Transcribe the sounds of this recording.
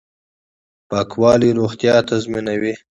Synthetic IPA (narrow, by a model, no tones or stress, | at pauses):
pɑkwɑliɾoxt̪jɑt̪azminawi